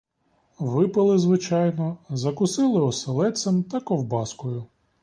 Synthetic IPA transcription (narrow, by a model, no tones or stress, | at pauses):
ʋɪpɐlˠɪzʋɪt͡ʃɑjnɔzɐkʊsɪlˠɪɔselˠɛsʲɛmt̪ɐkɔwbɑskɔjʊ